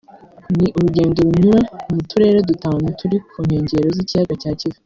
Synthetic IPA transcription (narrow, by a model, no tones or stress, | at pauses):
niʔuɾuɟe̞ːndoɾuɲuwamutuɾe̞ːɾedutaːwenutʰuɾikʰuːn̥he̞ːɲɟe̞ɾozicijaɡacaːcivi